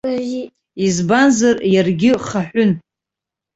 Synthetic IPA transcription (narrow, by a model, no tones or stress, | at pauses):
izbanzarjarɡʲɪχaħʷʊn